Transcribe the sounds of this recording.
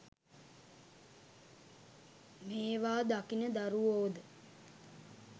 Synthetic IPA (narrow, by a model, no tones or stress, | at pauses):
meːʋaːd̪akinəd̪aɾuoːd̪ə